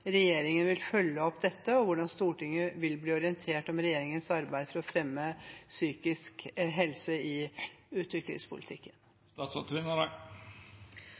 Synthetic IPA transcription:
ɾɛjeːɾɪŋənʋɪlfœlːəɔpd̪ɛt̪ːəɔʋʊɖɑnst̪uːʈɪŋːəʋɪlbliːɔɾɪənt̪ʰeːʈɔmɾɛjeːɾɪŋənsɑɾbæɪd̪fɔɾɔfɾɛmːəsyːkɪskɦɛlsəɪʉːt̪ʰʋɪklɪ̰ŋspʰʊ̰lɪt̪ʰɪkːən | t̪ɑsɑt̪ʰʋɪnəɾə

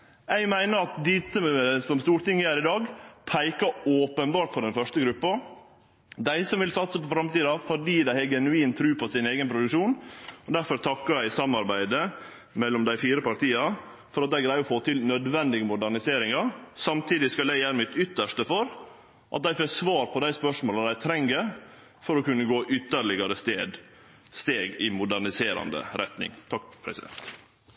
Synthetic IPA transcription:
æɪmæɪnəɾɑt̪̚d̪ɪt̪ːəsɔmst̪uːɾʈ̪ɪŋːəæɾɪd̪ɑːɡpʰæɪkɑoːpənbɑːʈfɔɖɛnfœʂʈəɡɾʉpːɑ | d̪æɪsɔmʋɪlsɑt̪səpɔfɾɑmt̪iːd̪ɑfɔɖiːd̪æɪhɛɡɛnʉiːnt̪ʰɾʉːpʰɔsɪneːɡənpʰɾʊd̪ʉkʂuːnɔd̪æɾfɔɾt̪ʰɑkːəɾæɪsɑmːɑɾbæɪd̪ə | mɛlːɔmd̪æɪfiːɾəpɑɾt̪ʰiːɑ | fɔɾɑt̪̚d̪æɪɡɾæɪɔfoːt̪ɪlnœd̪ʋɛnd̪ɪɡəmʊd̪æɾɳɪseːɾɪŋɑsɑmt̪ʰiːd̪ɪskɑlæɪjæːɾəmɪt̪ʏt̪ːəʂtəfɔɾ | ʔɑ̰t̪̚d̪æɪfesʋɑːɾpʰɔd̪æɪspœʂmoːlɑd̪æɪt̪ʰɾɛŋɡəɾ | fɔɾɔkʉnːəɡoːʔʏt̪ːəɾɭɪɡɑɾəst̪eːd̪ | st̪eːɡɪmʊd̪æɾnɪseːɾɑ̰nd̪ə̰ɾɛt̪nɪ̰ŋt̪ʰɑkːpʰɾɛ̰sɪd̪ɛ̰nt̪

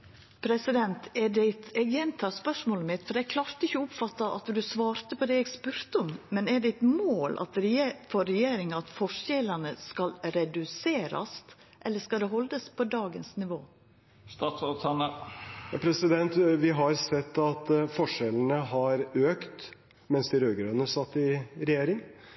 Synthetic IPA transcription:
pʰɾɛsɪd̪ɛnt̪ɛɖɛɪt̪ɛɡjɛnt̪ʰɑspœʂmoːlmɪt̪fɔɾɛɡ̚kʰlɑːɾt̪əɪçəʊpfɑt̪ːɑʔɑ̰t̪d̪ʉsʋɑːɾt̪əpʰɔd̪ɛɛɡspʉːɾt̪əɔmːɛnɛɖɛɪt̪moːlʔɑ̰t̪ɾfɔɾɛjeːɾɪŋɑɑt̪fɔʂɛlənəskɑlɾɛd̪ʉseːɾɑ̰st̪ | ʔɛlːəʂkɑld̪ɛɦɔld̪əspʰɔd̪ɑːɡənsnɪʋoː | st̪ɑsɑn | pʰɾɛsɪd̪ɛnt̪ʋɪɦɑɾsɛt̪ːɑt̪fɔʂɛlən̩əɦɑɾøːkt̪ | mɛnsd̪ɪɾøːɡəɾœnəsɑt̪ːɪɾɛjeːɾɪŋ

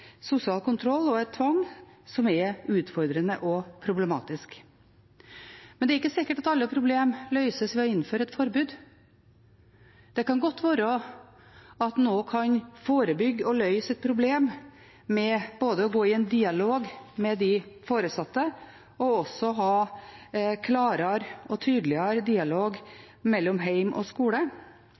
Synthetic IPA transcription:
sʊsɪɑːlkʊnt̪ʰɾɔlːɔɛt̪ʰːʋɑŋsɔmɛʉːt̪fɔɾd̪ɾənəʔɔpʰɾʊblɛmɑ̰ːt̪ɪsk | mɛnɛæɾɪkːəsɪkːəʈɑt̪ɑlːəpʰɾʊbleːmlœʏsəsʋɛɔɪnːføːɾəɛt̪fɔɾbʉːd̪ | d̪̥ɛkʰɑnɡɔt̪ːʋøːɾəɔ | ɑt̪noːkʰɑɲfoːɾəbʏɡːɔlœʏsɛt̪̚pʰɾʊbleːm | mɛb̥oːd̪əɔɡoːɪɛnd̪iːɑloːɡmɛd̪ɪfoːɾəsɑt̪ːə | ɔɔsɔɦɑː | kʰlɑːɾəɾɔt̪ʰyːd̪lɪəɾd̪iːɑloːɡ | mɛlːɔmɦæɪmʔɔ̰skuːlə

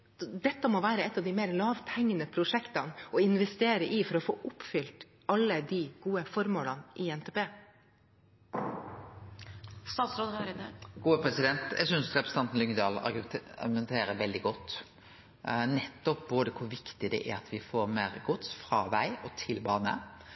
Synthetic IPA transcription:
d̪ɛt̪ːəmoːʋæːɾəɛt̪ːɑʋd̪ɪmeːɾlɑːʋt̪ʰɛŋːənəpʰɾʊʂɛkt̪ɑnɔɪnʋɛst̪eːɾəʔɪfɔɾɔfo̰ːʔʊpfʏlt̪ | ɑlːəd̪iɡ̥uːəfɔɾmoːlɑnʔɪɛnt̪ʰeːpʰeː | st̪ɑːt̪sɾoːd̪əɑɾɡ̥uːəpʰɾɛsɪd̪ɛnt̪jæ̰ɡsʏnsɾɛpɾəst̪ɑnt̪n̩lʏŋd̪ɑːlɑ̰ɑ̰ɾɡʉmɛnt̪ʰeːɾəʋɛld̪ɪɡɔt̪ː | nɛt̪ːɔp̚boːd̪əkʰʊɾʋɪkt̪ɪd̪ɛ̰ʔæ̰ɾɑt̪ʋɪfoːɾmeːɾɡʊt̪sfɾɑʋæɪɔt̪ʰɪlbɑːnə̰

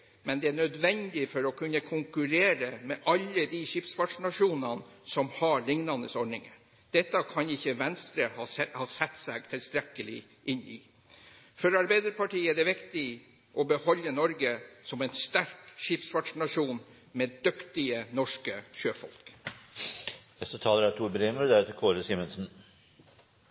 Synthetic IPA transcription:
mɛnd̪ɛæɳœd̪ʋɛnd̪ɪfɔɾɔkʰʉnːəkʰʊŋkʉɾeːɾəmɛʔɑlːəd̪iʃɪpsʋɑʈʂnɑʂuːnɑnsɔmhɑɭɪŋnɑnəsɔɾɳɪŋə̰ | d̪̥ɛt̪ːɑkʰɑnɪçːəʋɛnst̪ɾəhɑhɑːsɛt̪ːsɛɡ̚t̪ʰɪlst̪ɾɛkːəlɪ̰ | ʔɪnːɪ | fɔɾɑɾbæɪd̪əɾpʰɑʈiːəɛd̪ɛʋɪkt̪ɪ | ʔɔbəhɔlːənɔɾɡəsɔmɛɪnst̪æɾkʃɪpsʋɑʈʂnɑʂuːn | meːd̪ʉkt̪ɪənɔʂkəɕøːfɔ̰lk | nɛst̪ət̪ʰɑːləɾæt̪ʰuːɾbɾeːməɾd̪æɾt̪ʰɪkʰoːɾəsiːmənsn̩

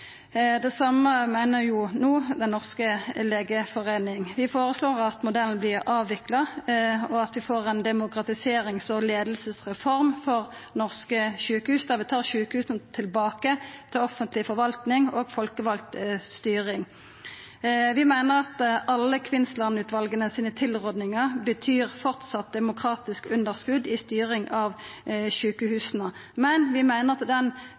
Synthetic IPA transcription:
d̪ɛsɑməmæɪnəʁjʊnuːd̪ɛnːɔʁskəleːɡəfɔʁeɪnɪŋʋɪfoːʁəsloːʁɑt̪mʊd̪ɛln̩blɪʁɑːʋʋɪklɑɔɑt̪ʋɪfoːʁɛnd̪ɛmʊkʁɑt̪ɪseːɾɪŋsɔleːd̪l̩səsʁɛfɔʁmfɔʁ | nɔʁskəʃʉːkəhʉːsd̪ɑʋɪt̪ʰɑːʁʃʉːkəhʉːsnət̪ʰɪlbɑːkət̪ʰɪlɔfənt̪lɪfɔʁʋɑlt̪nɪŋoːɡfɔlkəʋɑlt̪st̪yːʁɪŋ | ʋɪmæɪnəʁɑt̪ɑlːəkʰʋɪnst̪lɑnʉːt̪ʋɑlɡənəsiːnət̪ʰɪlʁɔd̪nɪŋəʁbət̪ʰyːʁfɔʁt̪sɑt̪̚d̪ɛmʊkʰɾɑːt̪ɪskʉnd̪əʁskʉd̪ɪst̪yːʁɪŋʔɑʋʃʉːkəhʉːsnəmɛnʋɪmæɪnəʁɑt̪d̪ɛn

